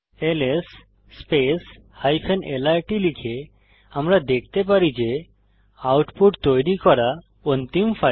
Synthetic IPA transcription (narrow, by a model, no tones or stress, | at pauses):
elesː | pes | hajpʰenelaɾʈilikʰe | amɾad̪ekʰt̪epaɾid͡ʒe | awʈpuʈt̪ojɾikɔɾa | ont̪impʰa